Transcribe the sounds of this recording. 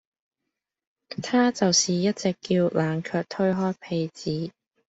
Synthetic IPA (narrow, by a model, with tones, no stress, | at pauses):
t̪ʰaː˥t͡sɐ˨wsiː˨jɐ˥t̚t͡sɪ˨˩kːiː˧wlʔaː˨ŋkʰœː˧k̚t̪ʰɵ˥ɥɦɔː˥jpʰe˨˧jt͡siː˨˥